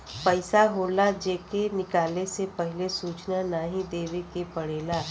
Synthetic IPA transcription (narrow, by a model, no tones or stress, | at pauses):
pɐɪsaɦoːlad͡ʒeːkenɪkaːlesepɛɦɪlesuːt͡ʃnanaːɦĩd̪eːʋekepɐɽeːla